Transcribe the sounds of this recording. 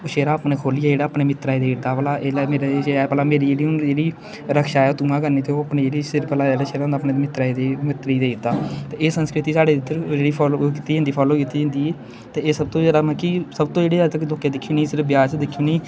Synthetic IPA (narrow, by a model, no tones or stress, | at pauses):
oːʃeːɾaːəpneːkʰoːlijɛːd͡ʒeːɽaːpneːmɪt̪ːɾaːed̪eːɪɾd̪aːpəlaːeːlameːɾeeapəlaːmeːɾiːd͡ʒeːɽiːʊnd͡ʒeːɽiː | ɾəkʰʃaːɛːoːt̪uːmãːkəɾniːt̪eoːəpnẽːd͡ʒeːɽiːsɪɾpəlaːd͡ʒeːɽaːʃeːɾaːʊnd̪aːpneːmɪt̪ːɾaːed̪eːmɪt̪ːɾiːd̪eːɪɾd̪aːt̪eːeːsənskɾɪt̪iːsaːɽeːd̪ɪt̪ːəɾd͡ʒeːɽiːpʰːokiːt̪ːiːd͡ʒə̃nd̪iːpʰɔːloːkiːt̪ːiːd͡ʒãːnd̪iːeː | t̪eːeːsəb̚t̪õːd͡ʒeːɽaːmɛ̃kisəbt̪õːd͡ʒeːɽiːat̪əkloːkeːd̪ɪkʰːijoːniːsɪɾəbjaːsd̪ɪkʰːijoːniː